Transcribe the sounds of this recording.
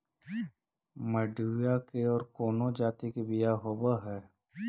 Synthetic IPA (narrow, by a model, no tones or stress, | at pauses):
məɖʱujakeɔːɾkoːnod͡ʒaːt̪ikebɪjaɦoːbaɦɛː